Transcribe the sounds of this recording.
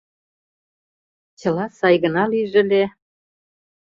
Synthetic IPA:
t͡ɕə̆lɑsɑjɣə̆nɑliʒĕle

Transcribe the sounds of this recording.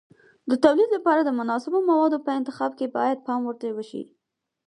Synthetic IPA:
d̪ət̪awlid̪lapɑɾad̪əmʊnɑsɪbomawɑd̪opəɪnt̪ɪxɑbkebɑ̰jad̪̚pɑmwəɾt̪awəʃḭ

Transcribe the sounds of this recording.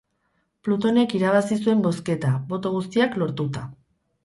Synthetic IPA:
plut̪o̞ne̞kiɾaβ̞asisue̞mbo̞ske̞t̪aβo̞t̪o̞ɣ̞ust̪iaklo̞ɾt̪ut̪a

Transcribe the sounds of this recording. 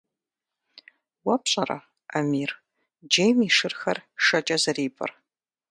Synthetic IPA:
wɐpɕʼɐɾɐ̰ | ɐmiːr | d͡ʒejmiːʂɨrxɐrʂɐt͡ʃʼɐzɐriːpʰʼɐ̰r

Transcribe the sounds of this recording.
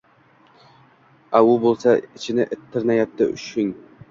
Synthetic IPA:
aʊbolˠsaɪt͡ʃʰɪnɪʔɪt̪ʰːɪɾnajap̚t̪ʰɪ̰ʊ̰ʃɪn

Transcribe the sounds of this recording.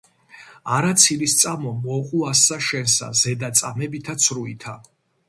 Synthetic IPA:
aɾat̪sʰilist̪sʼamɔmɔqʼuasːaʃɛnsa̰zɛd̪at̪sʼamɛbit̪ʰat̪sʰɾuit̪ʰa

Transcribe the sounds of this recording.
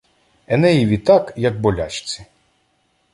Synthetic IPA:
ɛnɛjiʋʲit̪ɑkjɐk̚bɔlʲa̰t͡ʃt͡sʲi̥

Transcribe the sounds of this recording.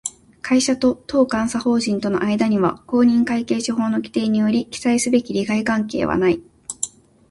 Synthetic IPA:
kʰaiɕat̪o̞t̪o̞ːkãɰ̃saho̞ːʑĩnt̪o̞no̞ʔaid̪aɲ̟iβa̰ko̞ːɲ̟ĩŋkaike̞ːɕiɦo̞ːno̞kʲi̥t̪e̞ːɲ̟ijo̞ɾʲikʲi̥saisɨbe̞kʲiɾʲiɡaikãŋke̞̰ːβa̰nai

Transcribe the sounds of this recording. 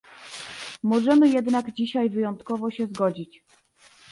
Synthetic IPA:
mɔʐɛmɘjɛd̪naɡd͡ʑiɕajvɘjɔnt̪kɔvɔɕɛzɡɔd͡ʑit͡ɕ

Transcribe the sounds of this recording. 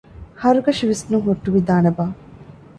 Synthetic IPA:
hɐɾuɡɐʃiʋesnuŋɦoʈːuʋid̪aːnebaː

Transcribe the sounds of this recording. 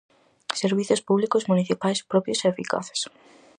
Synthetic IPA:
seɾβiθjʊspuβlikozmuniθipajspɾɔpɾjoseːfika̰θe̥s

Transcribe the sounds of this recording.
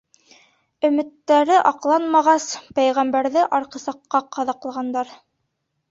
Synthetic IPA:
ɵ̆mɘ̆t̪ːæɾɘʔɑqlˠɑnmɑʁɑspæjʁæmbæɾðɘʔɑɾqɤ̆sɑqːɑqɑðɑqlˠʁɑnd̪ɑɾ

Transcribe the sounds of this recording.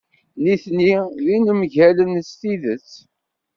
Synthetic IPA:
niθniðinəmʝælənst̪iðət͡sː

